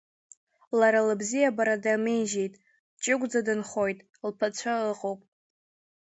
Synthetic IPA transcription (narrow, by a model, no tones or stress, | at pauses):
laɾalɨbzijabaɾadamejʒejtʼ | t͡ʃʼɪɡʷʼd͡zadɨnχo̞jtʼ | lpʰat͡ɕʷʰaɨqʼowpʼ